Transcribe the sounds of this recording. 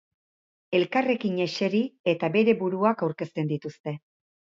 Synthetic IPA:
e̞lkare̞kiɲe̞ʃe̞ɾie̞t̪abe̞ɾe̞buɾuakawɾke̞st̪e̞nd̪it̪ust̪e̞

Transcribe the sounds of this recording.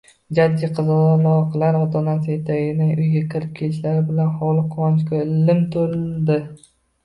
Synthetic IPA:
d͡ʒad̪ːijqʰɨzɒlˠɒqʰlaɾɒt̪ʰɒnasɪjet̪ʰaɡʲɪnɪŋʔʊjɡʲakʲʰɪɾɪp̚kʲʰe̞lɪʃlaɾɪbɪlanχɒlˠɪqʰːɒnt͡ʃkʰʲolɪmt̪ʰoɾɪld̪ɪ

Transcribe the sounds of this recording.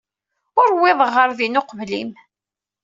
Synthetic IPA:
ʊɾwːɪðˤəʁːəɾðinʊqvlḭm

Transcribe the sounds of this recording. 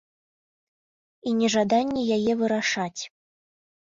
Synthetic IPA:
inʲɛʐad̪anʲːɛjajɛvɨɾaʂat͡sʲ

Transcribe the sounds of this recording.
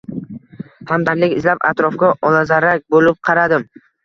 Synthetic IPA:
hamd̪aɾlɪkʲɪzlapa̰t̪ɾɒfkʲaʔɒlazaɾak̚ʲbolɪp̚qʰɑɾad̪ɪm

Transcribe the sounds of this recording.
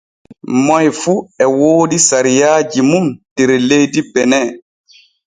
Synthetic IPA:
mɔjfuɛwoːɗisaɾijaːd͡ʒimumd̥eɾlejdibɛnɛ

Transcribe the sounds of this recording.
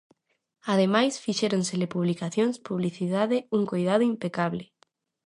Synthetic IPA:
að̞emajsfiʃɛɾonselɪpuβlikaθjoŋspuβliθiðaðeuŋkojðaðʊimpekaβlɪ

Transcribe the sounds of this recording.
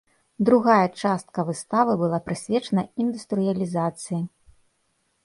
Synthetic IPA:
d̪ɾuɣajɐt͡ʂast̪̚kɐvɨst̪avɨbɨlˠapɾɨsʲvʲɛt͡ʂɐnɐind̪ust̪ɾɨjɐlʲizat̪sɨji

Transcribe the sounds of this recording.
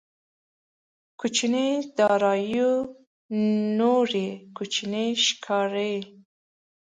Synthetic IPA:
kʰut͡ʃined̪ɑɾɑju | noɾekut͡ʃineʃkʰɑɾe

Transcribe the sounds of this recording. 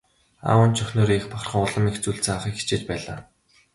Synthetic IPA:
a̰ːwə̆nt͡ɕʰɵxʲnoːɾexpaχrχə̆ŋʊɮə̆mext͡suɮt͡saχiːkxi̥t͡ɕeːt͡ɕpæːɮaː

